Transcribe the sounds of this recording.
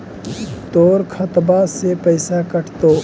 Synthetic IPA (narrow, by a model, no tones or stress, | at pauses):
t̪oːɾkʰɐt̪basepəɪsakɐʈʰt̪oː